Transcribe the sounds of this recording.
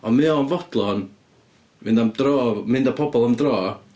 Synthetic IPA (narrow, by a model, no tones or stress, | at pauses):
ɔnmɨɔnvɔd̥lˠɔn | mɪndamdrɔːmɪndapʰɔbɔlˠamdrɔː